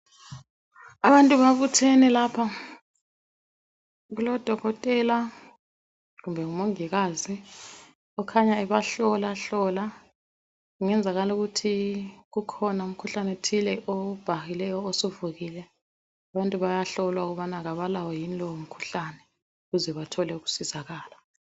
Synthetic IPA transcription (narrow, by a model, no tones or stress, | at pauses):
aβantʼuβaβutʰɛnɛlaːpʰa | ɣulɔd̥ʱɔɣɔtʼɛla | ɣumbʱɛŋumoŋiɣazi | ɔkʰaɲaɛβaɬɔlaɬɔla | uŋɛnd͡zʱaɣaluɣutʰiɣukʰɔnaum̩kʰuɬanɛtʰilɛʔob̥ʱaxilɛjɔosuvuɣilɛ | aβantʼuβajaɬɔlwauɣuβanaɣaβalawɔjinilɔum̩kʰu̥ɬanɛ | uɣuzɛβatʰɔlɛuɣu̥sizaɣaːla